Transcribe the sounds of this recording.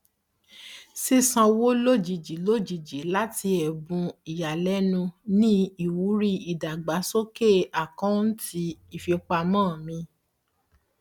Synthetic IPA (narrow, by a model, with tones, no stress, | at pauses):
si˦sã˧wo˦lo˦d͡ʒi˨d͡ʒi˨˦lo˦d͡ʒi˨d͡ʒi˨˦la˦ti˧ɛ˨bũ˧i˨ja˨lɛ˨˦nũ˧nĩ˦i˦˨wu˨˦ɾi˦i˨da˨ɡ͡ba˨˦so˦ke˦˨a˨kã˦n̩˦ti˧i˨fi˨o˧˦k͡pa˧mãː˦˨mĩ˧